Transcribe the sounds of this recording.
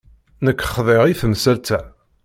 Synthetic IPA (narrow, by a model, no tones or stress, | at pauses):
nəkːχðˤɪʁiθmsælt̪æ